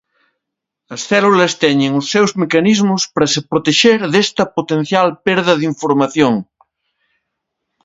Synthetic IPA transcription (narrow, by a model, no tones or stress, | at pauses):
ɐsθɛlulɐst̪ɛɲeŋosːewzmekanizmʊspaɾɐsepɾot̪eʃeɾðest̪ɐpot̪ẽn̟θjalpeɾðɐðiɱfoɾmaθjoŋ